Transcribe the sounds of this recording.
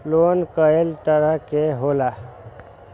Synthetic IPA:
loːnkəelt̪əɾəɦkeɦoːla

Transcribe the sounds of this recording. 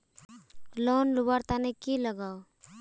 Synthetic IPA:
loːnlʊbaɾt̪anekiləɡaːo

